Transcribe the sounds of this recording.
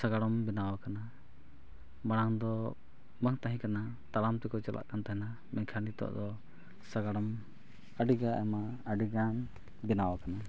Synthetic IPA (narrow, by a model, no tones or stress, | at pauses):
saɡaɽɔmbɛnawakana | maɽ̃aŋd̪ɔ | maŋt̪aɦĩkana | t̪alamt̪ɛkɔt͡ʃɔlʔa̰ʔkant̪aɦɛna | mɛkʰanit̪ɔ̰ʔd̪ɔ | saɡaɽɔm | aɖiɡaʔɛmaəɖiɡan | bɛnawakana